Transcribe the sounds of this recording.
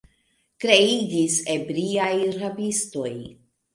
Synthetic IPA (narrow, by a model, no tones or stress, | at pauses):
kɾe̞id͡ʒise̞bɾiajɾabisto̞j